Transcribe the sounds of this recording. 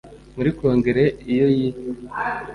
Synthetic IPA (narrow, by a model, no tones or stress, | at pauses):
muɾiko̞ːŋɡe̞ɾe̞ijoji